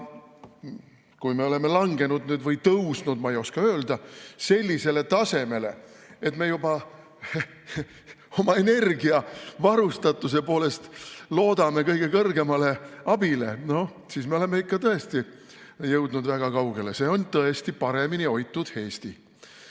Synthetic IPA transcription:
kujme̞o̞le̞me̞lɑŋɡe̞nud̪nyːd̪vɤjt̪ɤwsnud̪̥mɑejo̞skɑøːld̪̥ɑse̞lʲːise̞le̞t̪ɑse̞me̞le̞̰ | e̞t̪me̞ːjubɑ | o̞mɑe̞ne̞rɡiɑvɑɾust̪ɑt̪ːˑus̬e̞po̞ːle̞st̪lo̞ːd̪ɑme̞kɤjɡ̥e̞kɤrɡe̞mɑle̞ɑb̥ile̞̰no̞ | siːsme̞o̞le̞meikːɑt̪ɤe̞st̪i | jɤwd̪̥nud̪væɡ̥ɑkɑwɡ̥e̞le̞se̞ːo̞nt̪ɤe̞st̪ipɑɾe̞minio̞jt̪ːˑud̪̥he̞ːst̪i

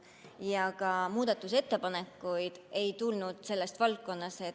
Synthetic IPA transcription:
jɑkɑmuːd̪̥ɑt̪ːˑuse̞t̪ːe̞pɑne̞kːˑujd̪̥e̞jt̪ulnud̪̥se̞lːe̞st̪vɑlt̚kːo̞nːɑse̞

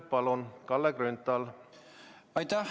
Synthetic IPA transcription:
t̪̚pɑlunkɑlːɛkrynt̪ːɑl | ɑjt̪æ

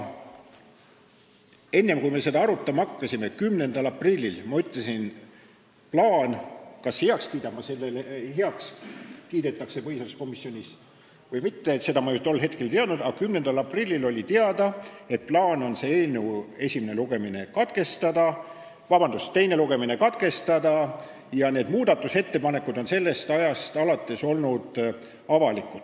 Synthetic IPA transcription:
e̞nːe̞mkujme̞se̞d̪ɑɑɾut̪ːˑɑmɑkːɑsime̞kymne̞nd̪ɑlɑprilʲːilmɑyt̪ːˑlesin | plɑːnkɑsheɑkskiːd̪ɑmːɑselːelɦeɑkskiːd̪e̞t̪ːˑɑkse̞pɤhisɑsko̞misːjo̞nʲis | vɤjmit̪ːeːt̪se̞d̪̥ɑmɑjut̪o̞lːɦe̞t̪ke̞lt̪eɑd̪nud̪ɑɡ̥ɑkymne̞nd̪̥ɑlɑprilʲːilo̞lʲit̪eɑd̪ɑe̞t̪̚plɑːno̞nse̞eːnue̞sʲimineluɡe̞mine̞kɑt̪ke̞st̪ɑd̪̥ɑ | vɑbɑnd̪̥ust̪e̞jne̞luɡe̞mine̞kɑt̪ke̞st̪ɑd̪̥ɑ | jɑneːd̪muːd̪̥ɑt̪ːˑuse̞t̪ːe̞pɑne̞kːud̪o̞nse̞lːe̞st̪ɑjɑst̪ɑlɑt̪ːˑe̞so̞lnud̪̥ | ɑvɑlikːˑut̪

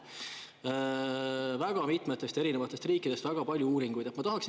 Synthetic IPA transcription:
væɡ̥ɑmit̪ˑmet̪ːˑe̞st̪e̞ɾinevɑt̪ːˑest̪riːkːˑid̥̪e̞st̪væɡ̥ɑpɑlʲjuuːɾiŋɡ̥ujd̪̥et̪mɑt̪ɑɦɑks

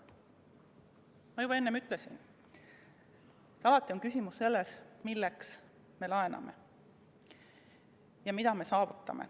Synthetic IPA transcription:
mɑjubɑenːemyt̪ˑle̞sin | t̪ɑlɑt̪ːˑio̞nkysʲimusːe̞lːesmilːeks | me̞lɑe̞nɑ̰me̞̰ | jɑmid̪̥ɑme̞sɑːvut̪ˑːɑ̰mḛ

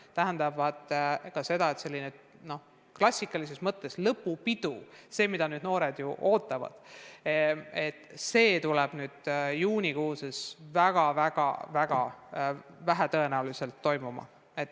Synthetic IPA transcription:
t̪æɦænd̪ɑvɑd̪̥kɑse̞d̪ɑe̞t̪se̞lʲːine | no̞ | klɑsʲːikːˑɑlis̬e̞smɤt̪ːe̞slɤpːˑupid̪̥use̞ːmid̪ɑnyːd̪̚no̞ːɾe̞d̪̥jṵʔo̞ːt̪ːˑɑvɑ̰d̪̥ | et̪ːse̞ːt̪uleb̥nyːd̪̥juːnʲikuːsesvæɡ̥ɑvæɡ̥ɑ̰væɡ̥ɑ̰ | væɦæt̪ɤe̞næulise̞lt̪ːo̞jmumɑ̰ | et̪ːˑ

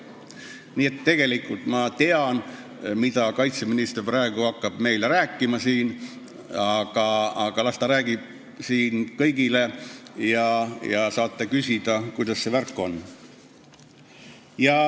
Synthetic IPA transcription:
niːet̪ːe̞ɡ̥e̞likːˑult̪mɑt̪e̞ɑn | mid̪ɑkɑjt̪seminist̪e̞rprɑeɡ̥uɑkːɑb̥me̞jleɾæːkːˑimɑsiːn | ɑɡ̥ɑɑɡ̥ɑlɑst̪ɑɾæːɡ̥ib̥̚ | siːnkɤjɡ̥ile̞jɑjɑsɑːt̪ˑːekysʲid̪̥ɑkujd̪̥ɑsːe̞værkːˑo̞nː | jɑ

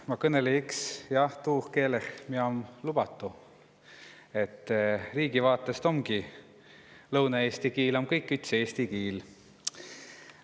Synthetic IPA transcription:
mɑkɤneliiksjɑht̪uːhke̞ːlehmieo̞mlub̥ɑt̪ːˑu | e̞t̪ˑːriːɡ̥ivɑːt̪ˑːe̞st̪o̞mɡi | lɤwnɑe̞ːst̪ikiːlo̞mkɤjkːˑyt̪seeːst̪ikiːl

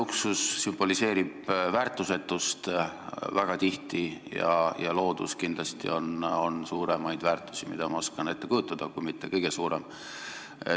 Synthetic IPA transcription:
uksusːymb̥o̞lise̞ːɾib̥væːrt̪ːˑuse̞t̪ːˑust̪væɡ̥ɑt̪iht̪ijɑ̰jɑlo̞ːd̪̥uskind̪lɑst̪ḭo̞no̞nsuːɾemɑjd̪̥væːrt̪ːˑu̥simid̪̥ɑmɑoskɑne̞t̪ːe̞kujut̪ˑːɑd̪̥ɑkujmit̪ːe̞kɤjɡ̥e̞suːɾe̞̰m

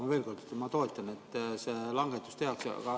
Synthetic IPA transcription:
ɑve̞ːlko̞rd̪et̪ːmɑt̪o̞e̞t̪ːˑɑne̞t̪ːˑse̞ːlɑŋɡ̥et̪ːˑu̥st̪e̞ɑksɑ̰kɑ

